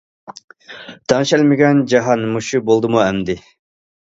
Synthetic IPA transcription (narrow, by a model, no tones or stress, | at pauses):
t̪ʰɑŋʃɛlmɪɡʲɛnd͡ʒɑɦɑnmuʃubolˠd̪ɨmuɛmd̪ɪ